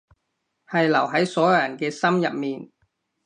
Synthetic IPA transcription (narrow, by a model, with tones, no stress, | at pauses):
hɐ˨jlɐ˨˩wɦɐ˨˥jsɔː˨˥jɐ˨wjɐ˨˩nkɛː˧sɐ˥mjɐ˨p̚miː˨n